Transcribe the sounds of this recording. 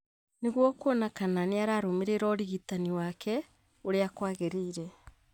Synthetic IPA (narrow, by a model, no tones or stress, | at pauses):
neɣwɔkonakananeaɾaːɾomeɾeɾɔɾiɣitaniwakʰɛ | oɾeakwaːɣeɾeiɾɛ